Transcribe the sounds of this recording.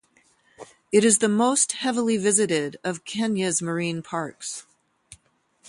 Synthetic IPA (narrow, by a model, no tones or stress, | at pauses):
ɨɾɨzðɨmoʊst̚hɛvl̩ˠivɪzɨɾɪɾʌv̥kʰɛ̃njɨzmə˞ĩnpʰɑɹks